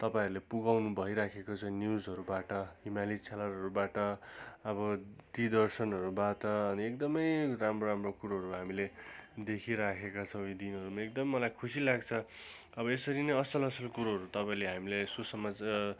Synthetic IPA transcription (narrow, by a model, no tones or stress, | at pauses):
t̪ʌpaĩʌɾulepuɡawnubʱʌiɾakʰekot͡sʰʌ̃njuzɦʌɾubaʈʌimalit͡sʰalarɦʌɾubaʈʌʌbʌd̪id̪ʌrsʌnɦʌɾubaʈʌːniek̚d̪ʌmʌjramroɾamrokuɾoɦʌɾuɦamiled̪ekʰiɾakʰekat͡sʰʌ̃ud̪inɦʌɾumaekd̪ʌmmʌlajkʰusilaɡt͡sʰʌ | ʌbʌesʌɾinʌjʌsʌlʌsʌlkuɾoɦʌɾut̪ʌpaĩleɦamilesusʌmad͡z